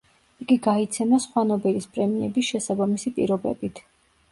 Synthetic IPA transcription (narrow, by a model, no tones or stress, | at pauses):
ikʼiɡait̪sʰɛmasχwanɔbɛlispʼɾɛmiɛbisʃɛsabamisipʼḭɾɔbɛ̰bit̪ʰ